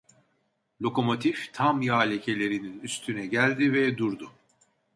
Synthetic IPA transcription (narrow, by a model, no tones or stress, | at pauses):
lʲo̞ko̞mo̞t̪ʰift̪ʰamjaːlʲecʰe̞lʲe̞ɾininyst̪ʰynɛɟælʲd̪ivɛd̪uɾd̪ʊ